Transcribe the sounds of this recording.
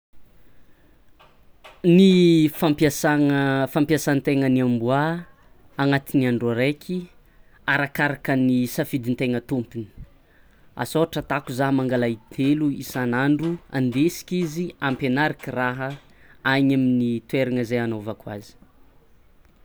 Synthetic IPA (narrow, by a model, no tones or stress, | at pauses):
nifampjasaŋfampiasant̪eŋəniambua | aŋat̪iniaɳɖ͡ʐaɾekʰi | aɾakaɾakənisafid̪int̪eŋət̪umpini̥ | a̰soaʈ͡ʂət̪akuzaɦmaŋɡalait̪ʰeluisanaɳɖ͡ʐua̰nd̪esi̥kiziampenaɾakʲiraɦə | ajɲaminit̪weɾaŋəzeanovakwa̰zi̥